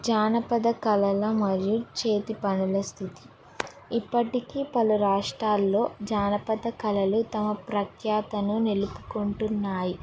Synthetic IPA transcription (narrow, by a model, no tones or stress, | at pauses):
d͡ʒaːnɐpɐd̪ɐkɐlɐlɐmɐɾjut͡ʃe̞ːt̪ipɐnulɐst̪ʰit̪i̥ | ipːɐʈikiːpɐluɾaːʂʈɾaːlːo̞ːd͡ʒaːnɐpɐd̪ɐkɐlɐlut̪ɐmɐpɾɐkjaːt̪ɐnunelupukoɳʈunːaːji